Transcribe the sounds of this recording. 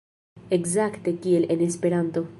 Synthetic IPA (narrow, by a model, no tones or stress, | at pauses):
ɛɡzɐkt̪ekilʔɛnɪspɛɾɐnt̪o